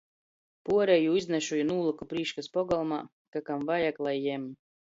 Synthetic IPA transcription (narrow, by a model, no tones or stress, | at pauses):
puɔɾɛjuːiznɛʃujunuːlˠakupɾiːʃkaspɔɡɔlˠmaː | kakamvajaklˠajɛm